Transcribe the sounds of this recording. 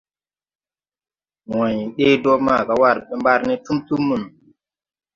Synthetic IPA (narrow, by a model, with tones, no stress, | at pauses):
wɔ˨ɲi˨ɗe˦dɔ˦ma˦˨ɡa˨wa˦˨ɾɓɛ˦mba˦ɾnɛ˦tu˦mtu˦mːu˨n˨